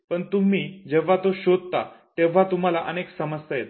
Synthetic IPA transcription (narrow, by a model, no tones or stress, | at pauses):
pəɳt̪um̤iːd͡ʑeʋ̤ːat̪oɕod̪̚ʱt̪a̰t̪eʋ̤at̪um̤alaʔəneksəməsəjet̪